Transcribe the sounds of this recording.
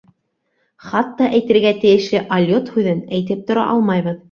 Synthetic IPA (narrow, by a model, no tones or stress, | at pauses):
χɑt̪ːɑʔæjt̪ɘ̆ɾɡæt̪ɘ̆jɘ̆ʃlɘʔɐlʲjot̪hʉðɘnæjt̪ɘp̚t̪ŏɾɑ̰ʔɑlˠmɑjβɤð